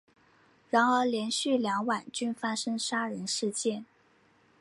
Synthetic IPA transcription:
ɻa˧˥nə˞˧˥ljɛ˧˥nɕy˥˩ljɑ˧˥ŋwa˨˩nt͡ɕy˥nfa˥ʂɤ˥ŋʂa˥ɻə˧˥nʂɻ̩˥˧t͡ɕjɛ˥˩n

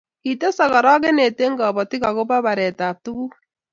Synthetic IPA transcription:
i˨te˦sa˨ɣa˨ɾa˦ɣe˦ne˨te˦ŋɡɔ˨βɔ˨ti˦ɣa˨ɣo˦βa˦βa˨ɾɛ˨ta˨tu˦ɣu˦

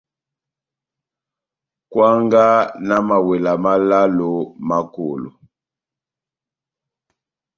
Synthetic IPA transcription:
kwa˦ŋɡa˦na˦ma˨wɛ˨la˨ma˦la˦lo˨ma˦˨ko̰˨lo̰˨

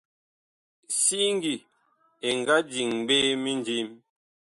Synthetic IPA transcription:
si˦ŋ˦ɡi˨ | e˨ŋ˨ɡa˦d͡ʒi˨ŋbe˦mi˦nd͡ʒi˦m

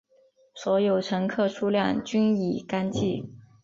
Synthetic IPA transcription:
swɔ˧˥jo˨˩ʊʈ͡ʂʰɤ˧˥ŋkʰɤ˥˩ʈ͡ʂʰu˥lja˥˩ŋt͡ɕy˥ni˨˩ka˥nt͡ɕi˥˩

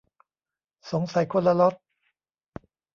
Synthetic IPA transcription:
so˩˦ŋsa˨˦jkʰo˧˥˧nlːa˧lo˦˥t̪̚

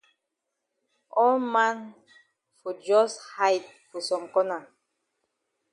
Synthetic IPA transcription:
ɔ˦lmã˦n | fɔ˨d͡ʒɔ˦sha˦jt̚ | fɔ˨sɔ̃˨mkɔ˦na˨

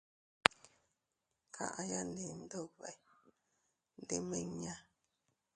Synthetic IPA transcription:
kʰa̰˨ʔa˨ja˦nde˨n̩˦do˦˨βɛ˨j | n̩˦de˦me˦˨ŋ˦ɲa˦

